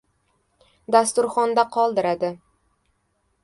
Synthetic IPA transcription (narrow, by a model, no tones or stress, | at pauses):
d̪ast̪ʊɾχɒnd̪aqʰɒlˠd̪ɪɾad̪ɪ